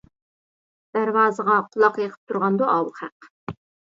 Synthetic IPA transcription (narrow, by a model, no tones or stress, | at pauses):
d̪̥æɾwɑːzəʁɑqʰʊlˠɑqjəqʰə̥p̚t̪ʰuɾʁɑnd̪uʔɑwlˠχæq